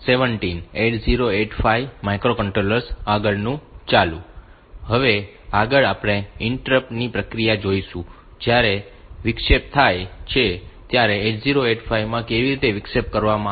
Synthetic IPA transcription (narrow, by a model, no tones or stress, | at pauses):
seʋəɳʈineʈziɾoeʈfaiʋmajkɾokəɳʈɾoləɾsaɡəɭnũt͡ʃalũ | ɦəʋe | aɡəɭapɳ̃eɪɳʈɾəpnipɾəkɾijad͡ʒoiʃũ | d͡ʒjaɾeʋɪkʃep̚t̪ʰajt͡ʃʰet̪jaɾeːʈziɾoeʈfaiʋmãkeʋiɾit̪eʋɪkʃep̚kəɾʋamã